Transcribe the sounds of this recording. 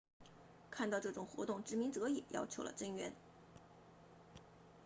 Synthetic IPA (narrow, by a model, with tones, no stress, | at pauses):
kʰa˥˧nt̪ɑ˥˧ʊʈ͡ʂɤ˥˩ʈ͡ʂʊ˨˩ŋxwɔ̰˧˥t̪ʊ˥˩ŋʈ͡ʂɻ̩˧˥mi˧˥ŋt͡sɤ˧˥ɛ̰˨˩jʔɑ̰˥ʊt͡ɕʰjo˧˥ʊlə̰˧ʈ͡ʂə˥˩ŋɥɛ˧˥n